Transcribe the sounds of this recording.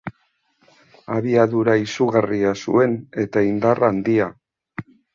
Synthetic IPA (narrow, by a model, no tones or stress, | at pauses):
aβiaðuɾaisuɣariasṵe̞ne̞t̪aind̪arand̪ia